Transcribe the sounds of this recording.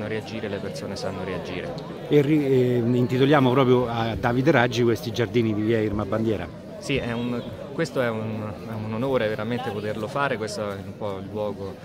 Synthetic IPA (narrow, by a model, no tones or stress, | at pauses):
oɾead͡ʒiːɾelepersoːnesanːoɾead͡ʒḭːɾḛ | eriint̪it̪oljaːmopɾɔːpɾjoad̪ːaːvid̪eɾad͡ʒːikwest̪id͡ʒard̪iːnid̪ivjɛirmabːand̪jɛːɾa̰ | siɛun | kwest̪oɛunɛunonoːɾeveɾament̪epot̪erlofaːɾekwest̪oɛumpɔilːwɔːɡo